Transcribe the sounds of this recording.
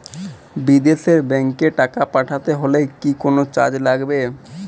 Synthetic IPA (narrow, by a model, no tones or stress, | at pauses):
bid̪eʃeɾbɛŋkeʈakapaʈʰat̪eɦolekikonot͡ɕa̰d͡ʑlaɡbe